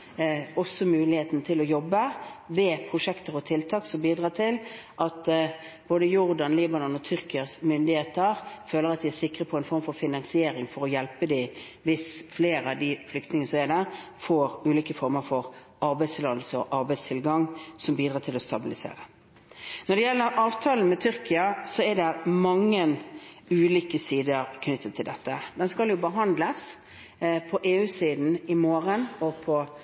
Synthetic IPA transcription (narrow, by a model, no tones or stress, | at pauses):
ɔsːɔmʉːlɪheːt̪nt̪ʰɪlɔjɔbːəʋɛpʰʁʊʂɛkt̪əɾɔt̪ʰɪlt̪ʰɑːksɔmbiːd̪ʁɑːt̪ʰɪlʔɑt̪b̥oːd̪əjʊʁd̪ɑnliːbɑnʊnɔt̪ʰʏʁkɪɑsmʏnd̪ɪheːt̪əʁføːləɾɑt̪̚d̪ɪæsɪkːʁəpʰɔɛɪnfɔɾmfɔɾfɪnɑŋsɪeːɾɪŋfɔɾɔjɛlpəd̪ɪ | ʋɪsfleːɾɑd̪ɪflʏkt̪nɪŋənəsɔmɛd̪æʁ | foːɾʉːliːkəfɔɾməfɔɾ | ʔɑɾbæɪst̪ʰɪlɑːd̪əlsəɔʔɑɾbɛɪst̪ʰɪlɡɑŋsɔmbiːd̪ʁɑːt̪ʰɪlɔst̪ɑbɪlɪsḛːɾə | nɔɖ̪ɛjɛlːəɾʔɑːʋt̪ʰɑːlən̩mɛt̪ʰʏɾkɪɑsɔɛd̪ɛmɑŋːən | ʉːliːkəsiːd̪əɾkʰnʏt̪ːət̪ʰːɪld̪ɛt̪ːəd̪ɛnskɑljʊbəɦɑnd̪ləs | pʰɔʔeːʉːsiːd̪n̩ɪmoːɾənɔpʰɔ